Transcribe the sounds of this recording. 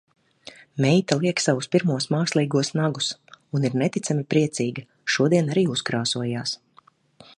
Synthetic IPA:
mɛjt̪alˠiɛksavuspiɾmuɔsmaːkslˠiːɡuɔsnaɡusuniɾnɛt̪it̪samipɾiɛt̪siːɡɐ | ʃuɔd̪iɛnaɾiːuskɾaːsuɔjaːs

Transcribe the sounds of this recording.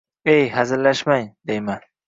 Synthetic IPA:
ejɦazɪɾlaʃmajd̪ejma

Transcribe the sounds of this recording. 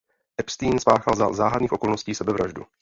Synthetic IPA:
ʔɛpst̪iːnspaːxalzaːɦadniːxʔo̞ko̞lnosciːsɛbɛvɾaʒdṵ

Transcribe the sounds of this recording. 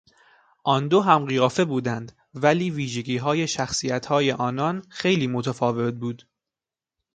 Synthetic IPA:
ʔɒnd̪oɦæmɢijɒːfe̞buːd̪ænd̪ | væliːviːʒeɟʲiːɦɒːje̞ʃæxsiːæt̪hɒːje̞ʔɒːnɒnxe̞jliːmot̪ʰæfɒːve̞t̪̚buːd̪̥

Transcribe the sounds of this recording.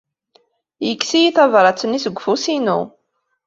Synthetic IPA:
jəkːsijiθævɾˤɑt͡sːənisəɡʷːfusinṵ

